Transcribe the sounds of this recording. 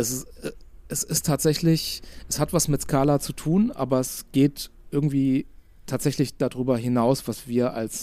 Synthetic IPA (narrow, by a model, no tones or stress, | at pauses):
ʔɛs | ʔɛsɪstʰːaːtz̥ɛçlɪçʔɛshatv̥asmɪtskʰaːlat͡sutʰuːnʔa̰ːbɐɛsɡ̥eːtʔɪɐɡŋ̩tv̥iː | tʰaːtz̥ɛçlɪçd̥adʁyːbɐɦɪnaʊsv̥asv̥iːɐʔa̰ls